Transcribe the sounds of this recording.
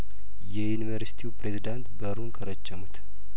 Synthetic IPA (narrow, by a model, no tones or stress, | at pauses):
jɛjunivəɾsi̥t̪ʰiwupɾezid̪ant̪bəɾunkʰəɾət͡ʃːəmut̪